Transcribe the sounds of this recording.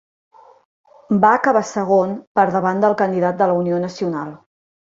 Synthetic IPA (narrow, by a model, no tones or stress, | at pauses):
baːkəβ̞asəɣ̞onpəɾðəβand̪əlˠkənd̪iðat̪̚d̪ələunionəsiunalˠ